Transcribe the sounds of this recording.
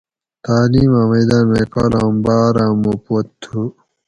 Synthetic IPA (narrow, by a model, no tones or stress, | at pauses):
t̪aːliːmãːmɐjd̪aːnmekalaːmbaːɾaːmopot̪ʰːu